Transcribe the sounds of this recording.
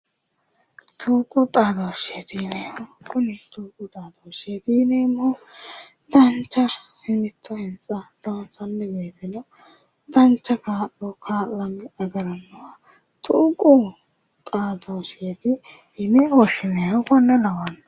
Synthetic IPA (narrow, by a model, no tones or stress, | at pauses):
t̪ʰuːkʼʊt̪ʼaːd̪oːʃet̪iːnɛjɔkʊnɪt̪uːkʼʊt̪ʼaːd̪oːʃet̪iːnɛmːɔ | t̪ɐnt͡ʃːɐhɪmɪt̪ʰːɔhɛnt͡sʼːɐd̪̥oːnsɐnːɛbeːt̪ɪnɔ | t̪ɐnt͡ʃːɐkaːʔɔkʰaːʔɐmɪɐɡɐɾɐnːɐwa | t̪ʰuːkʼʊ | t̪ʼaːd̪oːʃɪet̪ɪ | hɪnɛɔʃɪnɛjɔkɔnːɛnɐwɐn